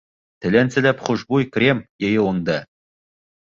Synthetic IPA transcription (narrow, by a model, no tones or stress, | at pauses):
t̪ɘ̆lʲænsɘ̆lʲæpχuʒbujkrʲemjejɘwoŋd̪ɑ